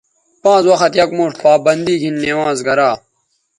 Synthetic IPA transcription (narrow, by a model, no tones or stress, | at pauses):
pãːt͡swɐxɐt̪jɐkmoːʈpaːbɐnd̪iːɡʱinːewãːzɡɐɾaː